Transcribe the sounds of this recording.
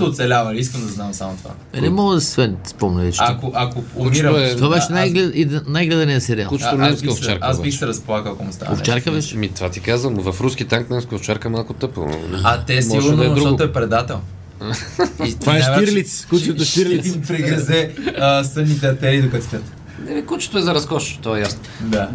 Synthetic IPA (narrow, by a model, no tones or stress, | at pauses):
t̪oʊt̪sɛlʲavɐliis̬kəmd̪ɐznamsamʊt̪ova̰ | ɛnɛmɔɡəd̪ɐsɛ̥svɛnspɔmnɛɛt͡ʃakoʔɐkoomiɾɐɛt̪ovabɛʃɛnajɡlɛid̪najɡlɛd̪ɛniɐsɛɾialˠkut͡ʃ̪onɛnskəft͡ʃaɾkasbixsɛɾɐspolˠakəlˠɐkomʊst̪a̰o̰ft͡ʃaɾkəvɛʃmit̪vat̪ikazvəmvɐfɾusk̟it̪aŋknɛnskəoft͡ʃaɾkəmalˠkʊt̪ɤpo̰nat̪ɛsmɔɡonɾuɔt̪oɛpɾɛd̪at̪ɛlˠ | it̪vaʃɛviɾlit̪skut͡ʃt̪ʃt̪iɾlit̪ipɾɛɡɾɐzɛəsənit̪ɛɐt̪ɛɾiːd̪okɐt̪st̪ʲɛt̪ | nɛikut͡ʃɛ̥t̪oɛzɐɾɐskɔʃt̪ɔɛjasnod̪a